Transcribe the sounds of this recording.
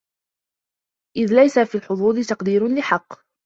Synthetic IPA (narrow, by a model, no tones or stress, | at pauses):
ʔɪðlajsafiːlħʊd̪ˤuːd̪ˤɪt̪ɑqd̪iːɾʊnlɪħɑqː